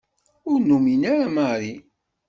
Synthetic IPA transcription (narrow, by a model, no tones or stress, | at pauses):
ʊɾnuminaɾamaɾi